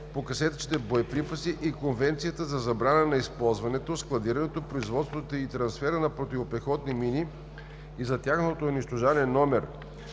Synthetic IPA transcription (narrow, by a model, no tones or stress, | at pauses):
pokɐsɛt̪t͡ʃi̥t̪ɛboɛpɾipɐsiʔikonvɛnt̪sijət̪əzɐzɐbɾanənɐispɔlˠzvɐnɛt̪osklˠɐd̪iɾɐnɛt̪opɾoizvɔt̪st̪vot̪oit̪ɾɐnsfɛɾənɐpɾot̪ivopɛxɔt̪nimini | izɐt̪ʲjaxnɐt̪ot̪ooniʃt̪oʒanɛnːɔmɛɾ